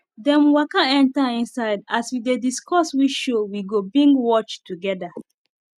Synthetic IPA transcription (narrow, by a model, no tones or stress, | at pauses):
dɛ̃mwakãɛ̃ntaĩnsaɪdaswidediskɔswit͡ʃʃowiɡobĩŋɡwɔt͡ʃtːuɡɛda